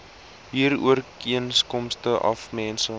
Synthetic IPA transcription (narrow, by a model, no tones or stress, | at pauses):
ɦiːruərkiənskɔmstəʔɐ̰fmɛːnsə